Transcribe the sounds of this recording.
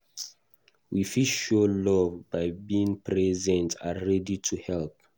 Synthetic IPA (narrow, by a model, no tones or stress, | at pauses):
wifiʃolɔvbaɪbiĩŋpʰɹɛzɛ̃ntaɹɛditʰuhɛlp̚